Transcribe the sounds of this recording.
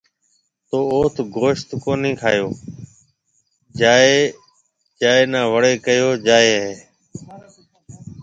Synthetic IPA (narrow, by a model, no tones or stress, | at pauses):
t̪oːoːt̪ʰɡʱoːʃt̪koːnĩːkʰa̰ːjoː | d͡ʒaːeː | d͡ʒaːeːnãːʋəɽeːkəjoːd͡ʒaːeːɦeː